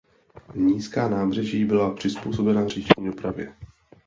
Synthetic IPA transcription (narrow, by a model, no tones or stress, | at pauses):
ɲiːskaːnaːbrɛʒiːbɪlapr̥ɪspuːso̞bɛnar̝iʃɲdo̞pɾavjɛ